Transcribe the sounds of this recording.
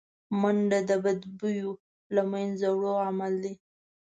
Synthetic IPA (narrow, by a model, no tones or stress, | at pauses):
maɳɖad̪əbad̪bujo | lamajnzawɽoamald̪e